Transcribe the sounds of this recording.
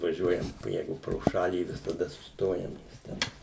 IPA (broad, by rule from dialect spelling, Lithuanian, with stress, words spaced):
ʋɐˈʒʲuɔjɛm ˈjɛɪɡʊ proː ˈʃɑːlʲiː ʋʲɪsɐˈdɐ sʊsˈtoːjɛm nʲɛs ˈtʲɛn